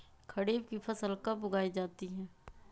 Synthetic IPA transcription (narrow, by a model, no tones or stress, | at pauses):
kʰɐɽiːb̚kipʰɐsəlkɐbʊɡaːid͡ʒaːt̪iɦɛ̃ː